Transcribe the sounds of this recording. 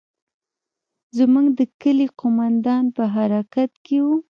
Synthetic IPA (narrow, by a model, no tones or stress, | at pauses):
zmuɡd̪əkəliqomand̪ɑnpəɦaɾɑkat̪kewu